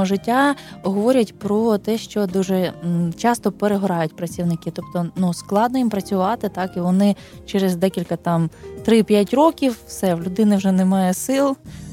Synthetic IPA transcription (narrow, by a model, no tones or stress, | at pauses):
ɔʒɪtʲːaɔɦɔʋɔɾʲɐtʲpɾɔt̪ɛʃt͡ʃɔd̪uʒɛt͡ʃɑst̪ɔpeɾeɦɔɾɑjʊtʲpɾɐt͡sʲiwnɪkɪt̪ɔp̚t̪ɔnusklˠɑd̪̚nɔjimpɾɐt͡sʲʊʋɑt̪ɪt̪ɑkiʋɔnɪ | t͡ʃɛɾezd̪ɛkʲilʲkɐt̪ɑmt̪ɾɪpʲjatʲɾɔkʲiwːsɛwlʲʊd̪ɪnɪwʒɛnemɑjɛsɪlˠ